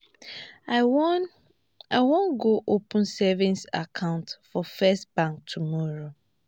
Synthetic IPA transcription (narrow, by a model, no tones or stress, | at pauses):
aɪwõnɡoʔopə̃n̩sɛvĩnsa̰kʰãʊ̃ntfɔfɛstbãŋk̚tʰumɔɹo